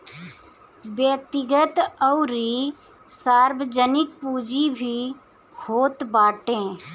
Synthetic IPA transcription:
bjət̪ɪɡət̪əʊɾi | saːɾbəd͡ʒənɪk̚puːd͡ʒibʱi | hoːt̪baːʈẽː

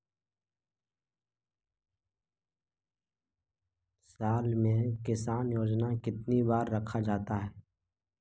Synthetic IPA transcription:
saːlmẽkɪsaːnjoːd͡ʒnakɪt̪nibaːɾːɐkʰad͡ʒaːt̪aɦɛː

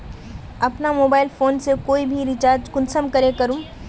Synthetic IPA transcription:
ɐpnamoːbaːɪlfoːnsekoːibʱiɾɪt͡ʃaːɾd͡ʒkʊnsəmkɐɾekɐɾũ

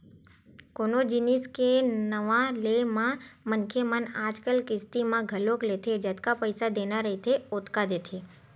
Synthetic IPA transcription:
konod͡ʒiniskenəʋãlemãmənkʰemənad͡ʒkəlkɪst̪imãɡʱəloklet̪ʰed͡ʒət̪kapəjsad̪enaɾəɦit̪ʰeot̪kad̪et̪ʰe

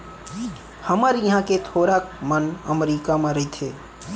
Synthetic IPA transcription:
həməɾjɐɦãket̪ʰoːɾakmənə̰mɾiːkamãɾəɦit̪ʰeː

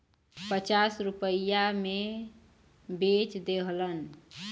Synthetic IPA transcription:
pət͡ʃasɾupəjame | bet͡ʃd̪eɦlən

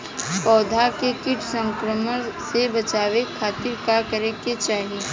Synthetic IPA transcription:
pɔːd̪ʱakekɪʈʰsə̃ŋkɾəməɾsebɐt͡ʃaːwekʰaːt̪ɪɾkakəɾeket͡ʃaːɦi

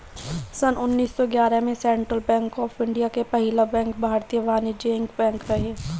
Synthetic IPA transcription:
sənʊnːiːsːɔɡjaːɾəmẽsɛ̃ːɳʈɾəlbɛ̃ːŋkɔːfɪ̃ɳɖijakepɐɦɪlabɛ̃ːŋkbʱaːɾt̪ijəʋaːnid͡ʒeːɪŋɡbɛ̃ːŋkɾɐɦe

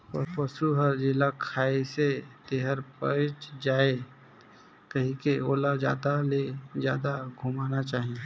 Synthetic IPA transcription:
pɔpɐsuɦəɾd͡ʒɪlakʰaːeset̪eːɦəɾpət͡ʃd͡ʒaːe | kɐɦĩkeoːlad͡ʒa̰ːd̪aled͡ʒjaːd̪aɡʱʊmaːnat͡ʃaːɦie

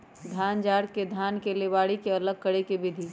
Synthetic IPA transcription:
d̪ʱaːnd͡ʒaːɽked̪ʱjaːnkeleʋaːɽikeɐləɡ̚kəɽekebɪd̪ʱiː

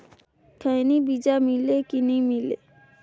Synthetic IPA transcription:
kʰəjnibid͡ʒamilekinimilḛ

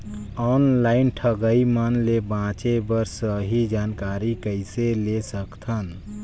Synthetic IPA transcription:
ɔːnlaːɪnʈʰəɡəimənlebãːt͡ʃebəɾsəɦid͡ʒaːnkaːɾikəɪselesəkt̪ʰən

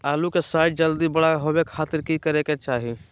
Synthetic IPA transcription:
aːlukesaːɪʈ̚d͡ʒəld̪ibəɽaɦobekʰaːt̪ɪɾkikəɾeket͡ʃaːɦi

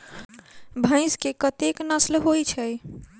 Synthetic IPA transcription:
bʱə̃ɪ̃skekət̪eknəslɦojt͡ʃʰəj

